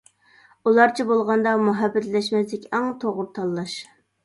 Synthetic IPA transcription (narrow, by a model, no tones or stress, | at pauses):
ulˠɑɾt͡ʃʰibolˠʁɑnd̪ɑmuɦæbːɛt̪ʰlɛʃmɛslɪkʲæŋt̪ʰoʁʊɾt̪ʰɑlˠːɑʃ